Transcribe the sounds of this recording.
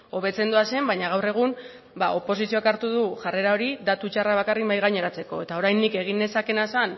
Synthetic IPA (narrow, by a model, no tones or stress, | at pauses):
o̞βe̞t͡se̞nd̪uase̞mbajɲaɣ̞awre̞ɣ̞um | bao̞po̞sisio̞akaɾt̪uðuʝare̞ɾao̞ɾid̪at̪ut͡ʃaraβ̞akarimbajɣajɲeɾat͡se̞ko̞e̞t̪ao̞ɾajnːike̞ɣ̞ine̞sake̞nasan